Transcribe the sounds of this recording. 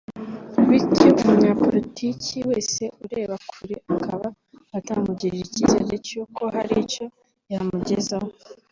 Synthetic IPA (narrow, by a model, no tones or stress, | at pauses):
witomuɲapoɾitʰiciwe̞ːse̞ʔuɾe̞ːβakʰuɾeʔakʰaβa | ataːmuɟiɾiʒicizḛɾecukʰo̞haɾico̞ | jamuɟe̞zaho